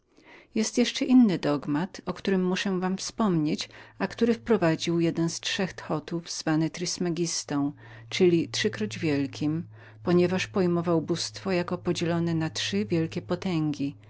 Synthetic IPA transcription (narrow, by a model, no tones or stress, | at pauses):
jɛst̪jɛʂt͡ʂɛʔinːɘd̪ɔɡmat̪ɔkt̪uɾɘmːuʂɛvamfspɔmɲet͡ɕakt̪uɾɘfpɾɔvad͡ʑiwjɛd̪ɛnstʂɛxt̪xɔt̪uvz̥vanɛt̪ɾɘsmɛɡʲist̪ɔ̃w̃ | t͡ʂɘlʲitʂɘkɾɔd͡ʑvʲjɛlkʲim | pɔɲɛvaʂpɔjmɔvawbust̪fɔjakɔpɔd͡ʑɛlɔnɛnatʂɘvʲjɛlkʲɛpɔt̪ɛŋɡʲi